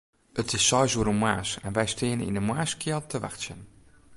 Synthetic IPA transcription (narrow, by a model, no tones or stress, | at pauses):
ətɪsɔjzuəɾənmwaːsɛ̰nʋɛjstʰɪənənḭndəmwaːskʰɪəlˠtʰəʋa̰xsjən